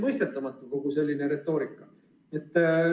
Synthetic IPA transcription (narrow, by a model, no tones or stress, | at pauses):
mɤjst̪e̞t̪ːˑɑmɑt̪ːˑuko̞ɡ̥use̞lʲːineɾe̞t̪ːˑo̞ːɾikːˑɑ | e̞t̪ːˑ